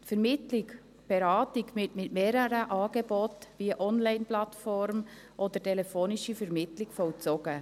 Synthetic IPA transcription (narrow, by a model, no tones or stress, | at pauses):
tfɛɾmɪtlɪk | b̥ɛɾɑːtɪkmɪtmɪtmeːɾəɾəʔɑːɡ̥ebɔtviəʔɔnlaɪnplatfɔɾm | ʔɔd̥̪ətʰɛlɛfoːniʃifəɾmɪtlɪkfɔwt͡sɔɡə